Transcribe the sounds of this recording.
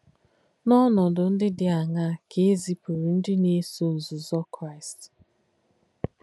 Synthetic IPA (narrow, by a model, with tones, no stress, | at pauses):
nɔ˦nɔ˨dʊ˨n̩˦dɪ˦dɪ˨a˨ŋa˦kʰe˦e˦zi˦pu˨ɾi˨n̩˦dɪ˦ne˦so˨n̩˨zʊ˨zɔ˦kɾa˦ɪ˨st